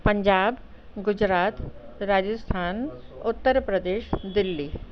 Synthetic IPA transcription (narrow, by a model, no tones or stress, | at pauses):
pɐ̃ɲd͡ʒaːb | ɡʊd͡ʑɾaːt̪ɾaːd͡ʑəst̪ʰaːnʊt̪ːəɾpɾəd̪eːʃd̪ɪlːi